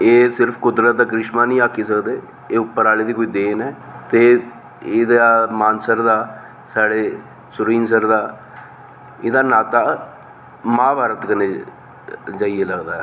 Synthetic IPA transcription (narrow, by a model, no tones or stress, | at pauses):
eːsɪɾpʰkʊd̪ɾət̪̚ːakɾɪʃmaːnĩːaːkiːs̬əkd̪eː | eːʊpːəɾaːliːd̪iːkoiːd̪eːnɛːt̪eː | ɪd̪aːmaːnsəɾd̪aː | saːɽeː | sʊɾĩːns̬əɾd̪aː | ɪd̪aːnaːt̪aː | mãːbaːɾət̪kəne | d͡ʒaːiːeləɡd̪aːɦɛ